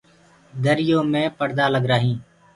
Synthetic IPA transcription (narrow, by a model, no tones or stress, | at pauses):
d̪əɾɪjõːmẽːpəɾd̪aːləɡɾaːɦĩː